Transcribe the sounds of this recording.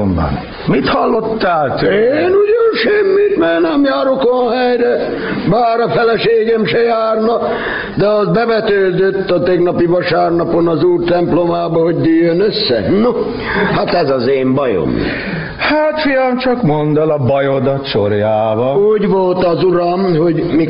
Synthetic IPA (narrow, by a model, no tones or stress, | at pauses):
mbɑ̰n | mit̪hɒlːot̪ːaːlt̪øeːnuɟonʃɛmːit̪mɛːnɛmjaːɾokonhɛjɾɛ | baːɾɒfɛlɛʃeːɡɛmʃɛjaːrnɒ | d̪ɛɒzbɛʋɛt̪øːd̪øt̪ːɒt̪ɛɡnɒpiʋɒʃaːrnɒponɒzuːrt̪ɛmplomaːbɒho̞ɟd̪yːjːønøsːɛ̰no | hat̪ɛzɒzeːmbɒjo̰m̰ | haːt̪fijɒmt͡ʃɒkmond̪ɛlɒbɒjod̪ɒt̪ʃo̰rjaːbɒuːɟʋolt̪ɒzuɾɒmho̞ɟmi